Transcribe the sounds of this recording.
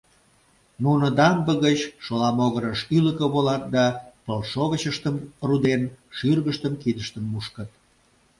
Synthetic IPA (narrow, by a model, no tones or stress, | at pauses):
nunəd̪ɑmbəɣət͡ɕʃolɑmoɣəɾəʃyləkə̆βolɑt̪̚d̪ɑpəlʃoɣət͡ɕəʃt̪əmrud̪enʃyrɣəʃt̪əmkid̪əʃt̪ənmuʃkət̪̚